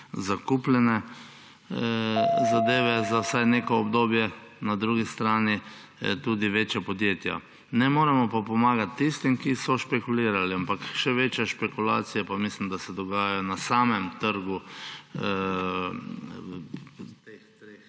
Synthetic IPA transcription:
zakuplɛnɛ | zad̪eːʋɛzawsajneːkɔɔbd̪oːbjɛ | nad̪ɾuːɡist̪ɾaːni | t̪uːd̪iʋeːt͡ʃjapɔd̪jeːt̪ja̰ | nɛmoːɾɛmɔpapɔmaːɡat̪ːist̪imkisɔʃpɛkuliːɾaliampakʃɛʋeːt͡ʃjaʃpɛkula̰ːt̪sijapamislimd̪asɛd̪ɔɡaːjajɔnasaːmɛmt̪əɾɡu | t̪eɾe

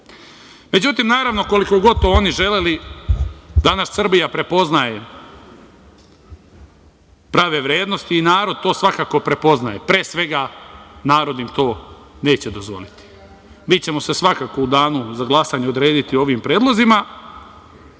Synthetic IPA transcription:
me̞d͡ʑut̪imnaːɾaʋno̞ko̞liko̞ɡo̞d̪̚t̪ooːniʒe̞leli | d̪anaʃsr̩bijapɾe̞po̞znaje̞ | pɾaːʋe̞ʋɾje̞ːd̪no̞st̪iːnaːɾo̞d̪̚t̪o̞ːsʋakako̞pɾe̞po̞znaje̞pɾeːsʋe̞ɡanaːɾo̞d̪imt̪o̞ːne̞ːt͡ɕe̞d̪o̞zʋo̞̰lit̪i̥ | miːt͡ɕe̞mo̞se̞sʋakako̞ud̪aːnuzaɡlˠasaɲeo̞d̪ɾe̞ːd̪it̪io̞ʋimpɾe̞ːd̪lˠo̞zima

